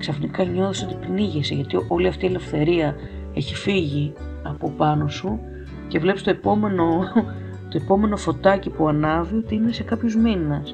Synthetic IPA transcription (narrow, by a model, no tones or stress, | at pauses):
ksɐfnikɐɲo̞θoseot̪i̥pniʝeseʝɐt̪iʔo̞liɐft̪iele̞fθe̞ɾiɐ | e̞çifiʝi | ɐpo̞pɐno̞su | cevle̞pst̪o̞epo̞me̞no̞ | t̪oe̞po̞me̞no̞fo̞t̪ɐcipuɐnɐvio̞t̪iine̞se̞kɐpçozminɐs